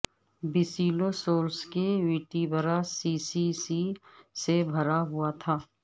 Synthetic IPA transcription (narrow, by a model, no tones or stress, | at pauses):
bɪsiːlosoːɾskeʋiːʈibʱəɾasiːsisisebʱɐɾaɦʊat̪ʰaː